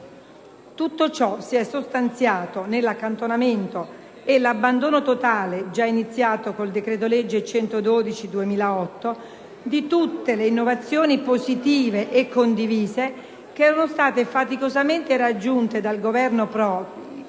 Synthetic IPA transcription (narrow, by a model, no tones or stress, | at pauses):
t̪ut̪ːot͡ʃɔsiɛsːost̪ant̪sjaːt̪onelːakːant̪onament̪o | elabːand̪oːnot̪ot̪aːled͡ʒainit̪sːjaːt̪okold̪ekɾeːt̪̬oled͡ʒːet͡ʃɛnt̪od̪oːd̪it͡ʃid̪uemiːlaɔt̪ːo | d̪it̪ut̪ːeleinːovat̪sːjoːnipozit̪iːveʔːkːond̪iviːze | keɛːɾanost̪aːt̪efat̪ikozament̪eɾad͡ʒːunt̪ed̪alɡovɛrnopɾɔːpi